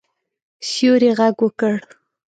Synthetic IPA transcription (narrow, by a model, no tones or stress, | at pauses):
ʃjoɾeɣaɡwəkəɽ